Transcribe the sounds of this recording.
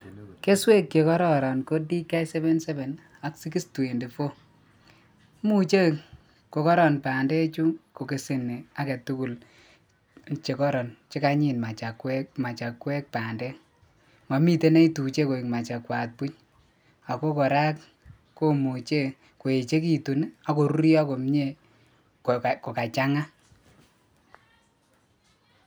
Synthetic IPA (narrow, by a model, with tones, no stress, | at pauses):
ke˦swe˦kːe˨kɔ˦ɾɔ˦ɾɔ˨nko˦di˦kːa˦jsɛ˦βe˦nsɛ˦βe˨n | a˦ksi˦ki˦stu˨e˨ndi˨fo˦ | mu˦t͡ʃe˦ | ko˨kɔ˦ɾɔ˨npaː˨ndɛ˦t͡ʃu˦ko˨ke˨si˨ne˨a˦ke˨tu˦ku˨l | t͡ʃe˨kɔ˦ɾɔ˨nt͡ʃe˦ka˦ɲi˨nma˨t͡ʃa˨kwɛ˦ma˨t͡ʃa˨kwe˦k̚pa˨ndɛ˦ | ma˨mi˦te˦ne˦i˦tu˨t͡ʃe˦ko˨i˨kma˨t͡ʃa˨kwa˨t̚pu˦ɲ | a˨ko˦kɔ˨ɾa˦k | ko˦mu˨t͡ʃe˦˨ | ko˨e˨t͡ʃe˦k̬i˨tu˨na˨ko˨ɾu˦ɾjɔ˦ko˨m˦ɲe˦˨ | kko˨ka˨t͡ʃa˦ŋa˦